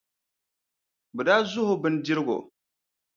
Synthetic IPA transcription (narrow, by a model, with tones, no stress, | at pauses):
bɨ˨daː˦zʊ˦hʊ˨bɨ˨˦n˨di˦ɾɨ˦ɡo̰˨